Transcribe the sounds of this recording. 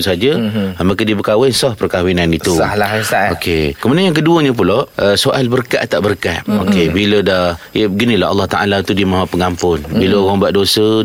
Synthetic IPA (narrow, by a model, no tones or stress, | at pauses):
sad͡ʒəmakədibəkawɪnsɔhpərkawinanit̪uasaokʰekəmadanjaŋk̬əduəɲəp̬ulɔʔəsoʔalbərka̰ʔt̪aʔbərka̰ʔokebilədahjəɡinĩlaɦɑ̰lːɑht̪aʔa̰lat̪udimãɦapəŋampʊnbiləoɣaŋbuaʔdosə